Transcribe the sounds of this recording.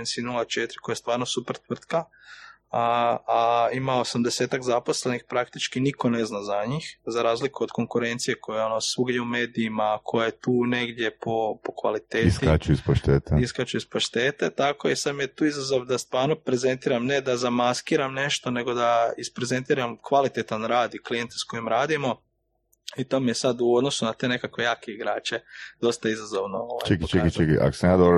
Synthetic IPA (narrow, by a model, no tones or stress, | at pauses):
ensinulˠat͡ʃet̪ɾi̥kojast̪ʋaːɾnosupr̩t̪ʋr̩t̪ka | aaimaoosamd̪e̞seːt̪akzapo̞sle̞nixpɾakt̪it͡ʃkiniko̞ne̞znazaɲixzaɾaːzlikuod̪ko̞ŋkuɾe̞nt̪sije̞kʰo̞jeonosuɡɲeume̞ːd̪iːmakʰo̞jajet̪uːne̞ɡd̪je̞po̞po̥kʋa̰lit̪eːitsat͡ʃuispoʃt̪eːt̪eiskat͡ʃuispoʃt̪e̞ːt̪et̪akoisad̪mijet̪uːizazo̞ʋd̪ast̪ʋaːɾnopɾe̞ze̞nt̪iːɾamne̞d̪azamaskiːɾamne̞ʃt̪o̞ne̞ɡo̞d̪aispɾe̞ze̞nt̪iːɾamkʋalit̪et̪anɾaːd̪iklije̞nt̪esko̞jimɾaːd̪imo̞ | it̪omijesad̪uod̪no̞sunat̪e̞ːne̞kakʋe̞jaːke̞iɡɾaːt͡ʃe̞d̪o̞st̪aizazo̞ʋnooʋajt͡ʃekit͡ʃekit͡ʃekḭʔa̰ko̥senad̪a